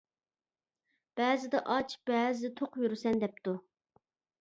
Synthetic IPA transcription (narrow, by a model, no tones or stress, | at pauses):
b̥ɛːzɪd̪ɛʔɑt͡ʃb̥ɛːzɪt̪ʰoqjyɾsɛnd̪ɛp̚t̪u